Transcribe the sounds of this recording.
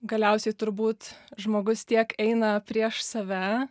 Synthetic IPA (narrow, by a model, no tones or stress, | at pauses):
ɡɐlʲɛʊsʲɛɪt̪ʊɾbuːt̪ʒmoːɡʊst̪ʲiɛkɛɪnɐpʲɾʲiɛʃsɐʋʲæː